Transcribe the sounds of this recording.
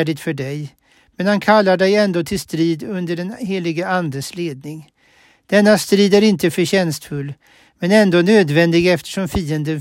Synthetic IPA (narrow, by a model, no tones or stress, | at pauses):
ɖɪt̪fœɖɛj | mɛnhankʰalːaɖɛjɛnd̪oːt̪ʰɪlst̪ɾiːd̪ɵnd̪əɖɛnheːlɪɡəand̪əsleːd̪nɪŋ | d̪̥ɛnːast̪ɾiːd̪æɾɪnt̪əfœɾɕɛnst̪fɵlː | mɛnɛnd̪oːnøːd̪vɛnd̪ɪɡɛft̪ʰə̥ʂɔmfiːənd̪ən